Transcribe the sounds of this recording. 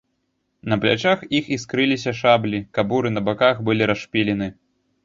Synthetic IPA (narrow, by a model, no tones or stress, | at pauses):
nɐplʲa̰t͡ʂaxixiskɾɨlʲis̬ʲɐʂablʲikabuɾɨnɐbakaxbɨlʲiɾaʂpʲilʲɛnɨ